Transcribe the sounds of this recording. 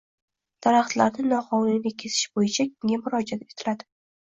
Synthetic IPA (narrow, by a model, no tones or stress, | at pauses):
d̪̥aɾaχt̪laɾnɪnɒqʰɒwnɪlikʲʰe̞zɪ̥ʃbojɪt͡ʃʰakʲʰɪŋʲamʊɾɒd͡ʒat̪e̞t̪ʰɪ̥lad̪ɪ